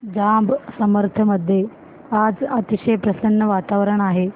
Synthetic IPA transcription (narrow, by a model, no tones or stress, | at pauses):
d͡zambsəməɾt̪ʰəməd̪ʱːje | ad͡zɐt̪iɕejpɾɐsənːəʋat̪aʋəɾəɳaɦe